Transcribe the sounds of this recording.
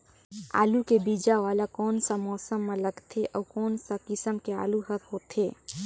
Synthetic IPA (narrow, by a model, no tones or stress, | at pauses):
a̰ːlukebiːd͡ʒaʋaːlakɔːnsamɔːsəmːẽləɡt̪ʰeʔɔːkɔːnsakɪsəmkea̰ːluɦət̪ɦoːt̪ʰeː